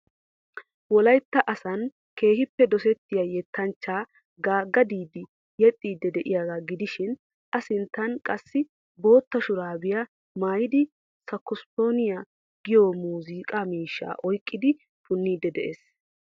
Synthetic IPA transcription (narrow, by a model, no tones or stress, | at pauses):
wɔlɐjt̪ːɐʔɐsɐn | ke̞ːhɪpːɛd̪ɔsɛt̪ːɪjajɛt̪ːɐnt͡ʃːaː | ɡaːɡɐd̪iːd̪ɪ | jɛt̪ʼːiːd̪ːɛd̪ɛʔɪjaːɡaːɡɪd̪ɪʃɪn | ʔɐsɪnt̪ːɐnkʼɐsːɪ | bo̞ːt̪ːɐʃʊɾaːbɪjɐ | maːjɪd̪ɪ | sɐkːʊst̪o̞ːnɪjɐ | ɡɪjɔmuːziːkʼamiːʃːa̰ːʔɔjkʼːɪd̪ɪ | fʊnːiːd̪ɛd̪ɛʔeːs